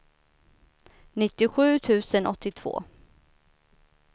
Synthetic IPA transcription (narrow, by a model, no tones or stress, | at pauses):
nɪt̪ːɪɧʉ̟ːt̪ʰʉ̟ːsənʔɔt̪ːɪt̪ʰv̥o̰ː